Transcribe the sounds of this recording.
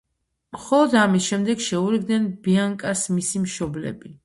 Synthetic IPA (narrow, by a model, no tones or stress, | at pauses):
mχɔlˠɔd̪amisʃɛmd̪ɛɡʃɛuɾiɡ̚d̪nɛnbiaŋkʼaɾsmisimʃɔblɛ̰bi